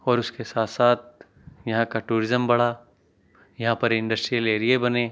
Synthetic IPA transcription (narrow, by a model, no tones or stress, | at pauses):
ɔːɾʊskesaːt̪ʰsaːt̪̚ʰ | jɐɦãkaʈuːɾɪzəmbɐɽ̤a | jɐɦãpɐɾɪ̃ɳɖɐsʈɾijəleːɾiebɐnẽː